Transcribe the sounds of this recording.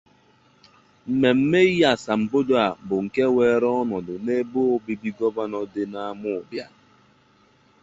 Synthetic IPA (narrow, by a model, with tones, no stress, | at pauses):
m̩˨me˨m̩˦me˦a˨sa˨m̩˨bo˦do˦a˨bʊ˨ŋ̩˨ke˦we˨ɾɔ˦nɔ˨dʊ˨ne˦bo˦o˦bi˦bi˦ɡɔ˦ba˦nɔ˦dɪ˦na˦a˦mʊ˦˨bja˦